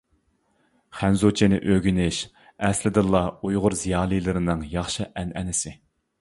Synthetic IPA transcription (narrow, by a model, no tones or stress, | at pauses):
χænzot͡ʃʰinɪʔøɡʲynɪʃ | ɛslɪd̪ɨlˠːɑujʁʊɾzijɑːlˠɨjlˠɨɾɨnɨŋjɑχʃɨʔɛnɛnɪsɪ